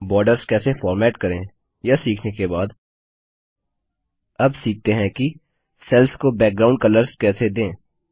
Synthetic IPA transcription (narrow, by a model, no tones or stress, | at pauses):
bɔːɾɖəɾzkɛːsefɔːɾmɛːʈkɐɾẽ | jasiːkʰnekebaːd̪ | ɐbsiːk̚ʰt̪eɦɛ̃ki | sɛlskobɛːk̚ɡɾaːʊ̃ɳɖkɐləɾzkɛːsed̪ẽː